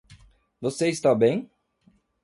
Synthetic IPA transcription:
voseɪst̪abẽj̃

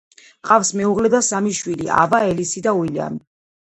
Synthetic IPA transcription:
qʼafsmɛuʁlɛd̪asamiʃwilia̰vaɛlisid̪auilia̰mi

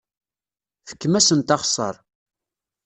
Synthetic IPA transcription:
fə̥kːəmæsənt̪ɑχsˤɑ̰ɾˤ

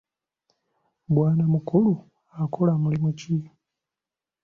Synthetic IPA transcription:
bwaːnamukulu | akʰolamulimuci

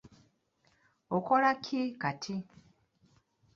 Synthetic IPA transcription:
okolakʰikatʰi

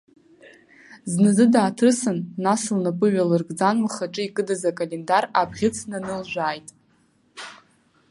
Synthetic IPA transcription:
znɨzɨdaːtʰɨsɨnːasɨlnapʼɨɥalɨrɡʼd͡zanmaχaʈ͡ʂʼɨikʼɨdazakʼalendarabʁʲɪt͡sʰnanɨlʒᶣʷaːjtʼ

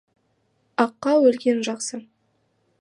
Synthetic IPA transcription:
ɑqːɑwɵlɡʲe̞nʒɑqsə

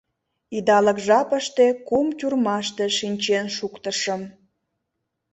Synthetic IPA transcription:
id̪ɑləkʒɑpəʃt̪ekumtʲurmɑʃt̪eʃinʲt͡ɕenʃukt̪əʃəm

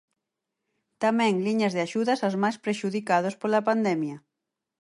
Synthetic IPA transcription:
t̪amɛ̃ŋliɲɐzðɪaʃuðɐsazmajspɾeʃuðikað̞ospolapand̪ɛmjɐ

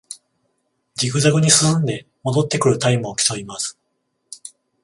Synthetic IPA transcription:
d͡ʑikɯ̟zaɡɯ̟ɲ̟isɨsɨ̃nd̪e̞ | mo̞d̪o̞t̪ːe̞kɯ̟ɾɯ̟t̪aimɯokʲi̥t̪oimasɨ̥

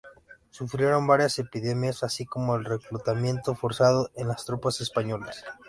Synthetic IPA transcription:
sufɾje̞ɾo̞mbaɾjase̞piðe̞mjasasiko̞mo̞elre̞kɾut̪amje̞nt̪o̞fo̞ɾsað̞oʔenlast̪ɾopase̞spaɲo̞las

